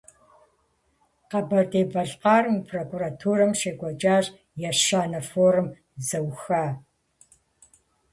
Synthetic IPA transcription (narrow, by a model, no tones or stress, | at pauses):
qɐbɐrdeːbɐɬqaːrmpʰroːkʼuːratʰuːrɐmʃeːkʷɔt͡ʃʼaːɕ | jɛʃaːnɐfoːrɨm | zɐwxaː